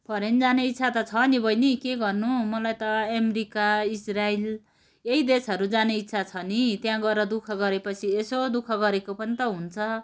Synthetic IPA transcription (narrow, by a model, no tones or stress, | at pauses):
pʰʌɾend͡zaneit̪ːsʰat̪ʌt͡sʰʌːnibʱʌjnikeɡʌrnumʌlajt̪ʌʌmeɾikaisrail | eɦid̪esʌɾud͡zaneit̪ːsʰat͡sʰʌnit̪jãɡʌrʌd̪ukʰʌɡʌɾepʌt͡sʰiesod̪ukʰʌɡʌɾekopʌnit̪ʌɦunt͡sʰʌ